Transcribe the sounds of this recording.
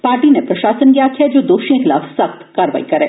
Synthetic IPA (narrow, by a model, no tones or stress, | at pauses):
paːɾʈinepɾɐʃaːsənɡijakʰiɛd͡ʒoːd̪oːʃiexɪla̰ːfsɐxt̪kaːɾəʋa̰ːikɐɾḛː